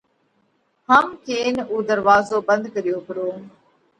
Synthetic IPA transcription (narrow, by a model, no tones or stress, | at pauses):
ɦəmkeːnuːd̪əɾʋaːzoːbə̃nd̪kəɾijoːpəɾoː